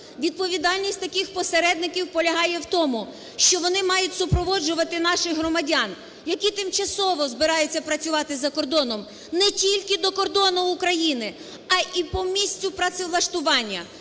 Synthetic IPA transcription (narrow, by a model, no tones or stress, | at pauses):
ʋʲid̪̚pɔʋʲid̪ɑlʲnʲisʲtʲt̪ɐkɪxpɔseɾɛd̪̚nɪkʲiwpɔlʲɐɦɑjɛwt̪ɔmʊ | ʃt͡ʃɔʋɔnɪmɑjʊtʲsʊpɾɔʋɔd͡ʒʊʋɐt̪ɪnɑʃɪxɦrɔmɐdʲɑn | jɐkʲit̪ɪmt͡ʃɐsɔʋɔzbɪɾɑjʊt͡sʲːɐpɾɐt͡sʲʊʋɑt̪ɪzɐkɔrd̪ɔnɔm | nɛtʲilʲkɪd̪ɔkɔrd̪ɔnʊːkɾɐjinɪ | ɐʔipɔmʲisʲtʲʊpɾɐt̪sɪlˠɐʃt̪ʊʋɑnʲːɐ